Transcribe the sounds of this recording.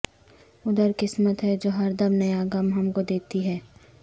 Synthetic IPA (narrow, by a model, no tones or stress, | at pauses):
ʊd̪əɾkɪsmət̪ɦɛd͡ʒoːɦɐɾd̪əmnɐjaɡɐmɦɐmkod̪eːt̪iɦɛː